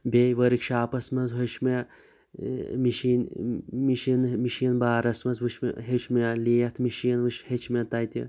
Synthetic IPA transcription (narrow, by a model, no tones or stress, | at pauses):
bʲeʋɐɾikʃaːpɐsmɐnzɦoʃm | miʃinmiʃinmiʃinbaːɾɐsmɐnzʋuʃm̰ɦet͡ʃʰmɐliːjɐt̪ʰmiʃinʋɨʃhet͡ʃʰmʲɐt̪ajt̪ʲi